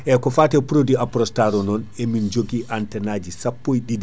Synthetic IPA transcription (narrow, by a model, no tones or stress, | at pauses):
ʔɛkɔfatɛpɾodiapɾɔstaɾɔnɔnɛmind͡ʒoɡiʔantɛnad͡ʒisapːojɗidi